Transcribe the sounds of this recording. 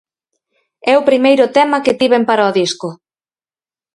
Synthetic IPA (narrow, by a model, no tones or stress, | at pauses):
ɛʊpɾimejɾʊt̪ɛmɐkɪt̪iβempaɾaoðiskʊ